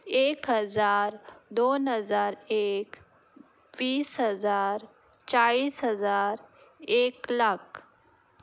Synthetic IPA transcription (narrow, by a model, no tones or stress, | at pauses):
eːkɦəzaːɾd̪onɦəzaːɾeːk | ʋiːsɦəzaːɾ | t͡ʃaiːsɦəzaːɾ | eːklak